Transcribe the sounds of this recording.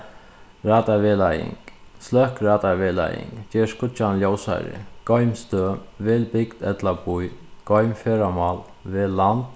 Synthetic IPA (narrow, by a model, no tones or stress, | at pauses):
ɾaːt̪aʋelajɪ̰ŋslœhkɾaːt̪aʋeːla̰jɪ̰ŋd͡ʒeːskʊt͡ʃanljɔwsa̰ɾɪ̰ɡ̥ɔjmst̪øːʋeːlbɪkt̪ɛt̪labujɡ̥ɔjmfeːɾamɑl | ʋeːlːant̪